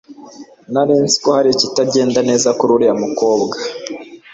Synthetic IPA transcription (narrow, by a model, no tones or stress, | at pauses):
naɾiːnsi̥kohaɾicitaɟe̞ːndane̞ːzakuɾuɾijamuko̞ːbɡa